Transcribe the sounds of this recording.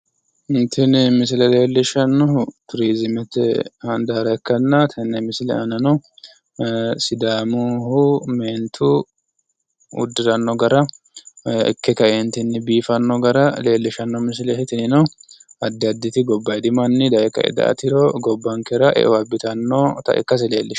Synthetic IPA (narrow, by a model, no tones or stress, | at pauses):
ɪnt̪ʰɪnɪmɪs̬ɪlɛle̞ːlːɪʃɐnːɔht̪ʊɾiːzɪmɛt̪ɛ̰hɐnd̪aːɾɐɛkːɐnːɐt̪ʰɪnːɛmɪslɛɐnɐnɔ | sɪd̪aːmuɦʊmeːnt̪ʰu | ʊ̰d̪ːɪɾɐnːɔɡɐɾɐ | ɛ̰kːɛkɐɛnt̪ɪnːɪbiːfɐnːɔɡɐɾɐle̞ːlːɪʃɐnːɔmɪs̬ɪlɛhɪt̪ɪnɪnɔɐd̪ːɐd̪ːɪt̪ɪɡɔbːɐjd̪ɪmɐnːɪd̪ɐʔɛkɐ̰ʔɛ̰d̪ɐ̰ʔɐ̰t̪ɪɾɔɡɔbːɐŋkɛɾɐʔɛ̰ʔɔwɐbːɪt̪ɐnːɔt̪ɐ̰ʔɛ̰kːɐs̬ɛleːlːɪʃ